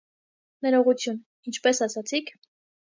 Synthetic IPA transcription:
nɛɾɔʁut͡sʰjun | int͡ʃʰpɛsɑsɑt͡sʰikʰ

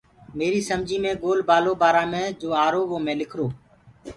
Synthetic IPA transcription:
meːɾiːsəmd͡ʒiːmẽːɡoːlbaːloːbaːɾãːmẽːd͡ʒoːaːɾoːʋoːmẽːlɪkʰɾoː

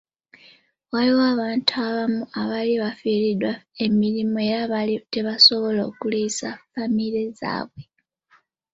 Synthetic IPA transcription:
waliwaβaːntʰuaβamuaβaliβafilidwae̞miɾimoe̞ɾaβalite̞βaso̞βo̞loːkulisafamileza̰ːβwe̞

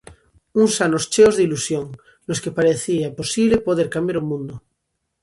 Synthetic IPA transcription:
uŋsanost͡ʃeozðilusjoŋ | loskepaɾeθiaposiβlepoð̞eɾkambjaɾomũnd̪o

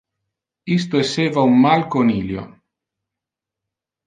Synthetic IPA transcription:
ist̪oesːeːvaumːalkoniːljo̰

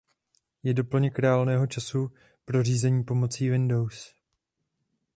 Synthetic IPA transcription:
jɛdo̞pl̩ɲɛkɾaaːlnɛːɦo̞t͡ʃasu | pɾo̞r̝iːzɛɲiːpo̞mo̞t͡siːvɪndo̞ws

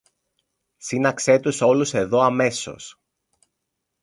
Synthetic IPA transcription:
sinɐkse̞t̪uso̞luse̞ðo̞ɐme̞so̞̰s

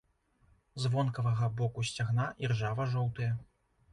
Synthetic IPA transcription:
zvɔnkɐvɐɣɐbɔkusʲt͡sʲaɣnaʔirʐavɐʐɔwt̪ɐjɐ

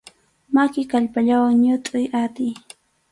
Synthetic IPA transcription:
makɪkaʎpaʎawaŋɲʊt̪ʼʊjat̪ɪj

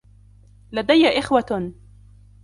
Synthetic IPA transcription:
lad̪ajːaʔɪxwa

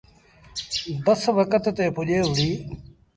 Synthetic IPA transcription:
bəsʋəkət̪t̪eːpʰʊʄeːɦʊɽiː

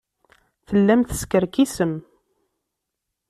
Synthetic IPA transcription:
θəlːæmθə̥skəɾkisəm

